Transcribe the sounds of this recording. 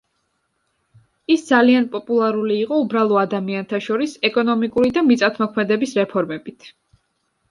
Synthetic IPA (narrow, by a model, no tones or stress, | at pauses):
isd̪zalianpʼɔpʼulˠaɾuliːqʼɔubɾalˠɔad̪amiant̪ʰaʃɔɾisɛkʼɔnɔmikʼuɾid̪amit̪sʼat̪ʰmɔkʰmɛd̪ɛbisɾɛpʰɔɾmɛbit̪ʰ